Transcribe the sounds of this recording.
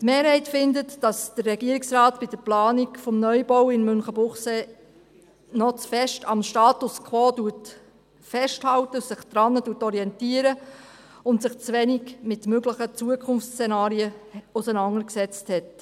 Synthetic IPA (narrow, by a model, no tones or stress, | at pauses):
tmeːɾhɛɪtfɪndətd̥ɑsd̥ərːɛɡiəɾɪksrɑːtpɪd̥əɾplɑːnikfɔmnœʏbɔwɪnmʏnχəbʊχseː | nɔt͡sfɛʃtɑmʃtɑːtʊskʰʋɔːduət | fɛʃthɑwtəsɪχd̪̥ɾɑnːəduːətɔɾiɛntiəɾə | ʊntsɪχt͡sʋɛniɡmɪtmøɡləχət͡suəkʰʊnft͡st͡sɛnɑːɾiəʊsənɑŋəɾksɛt͡sthɛt